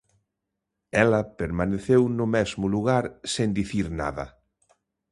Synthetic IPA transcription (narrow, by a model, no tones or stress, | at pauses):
ɛlɐpeɾmaneθewnʊmɛzmʊluɣaɾsẽnd̪iθiɾna̰ðɐ̰